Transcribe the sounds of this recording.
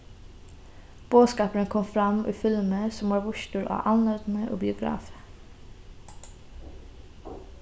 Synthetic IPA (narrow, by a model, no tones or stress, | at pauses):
b̥oːskɑːpəɾənkʰɔmfɾɑmʔḭːfɪlməsɔmʋɑːɹʋʊʃtuːɾɑ̰ːʔɑnnøːd̪n̩əʔo̰ːbɪʊɡɾɑ̰ːfə̥